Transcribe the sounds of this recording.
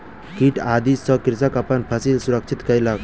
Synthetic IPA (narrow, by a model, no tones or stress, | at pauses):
kiʈad̪isɔkɾisəkapənpʰasilsuɾəkt͡ʃʰit̪kəjlak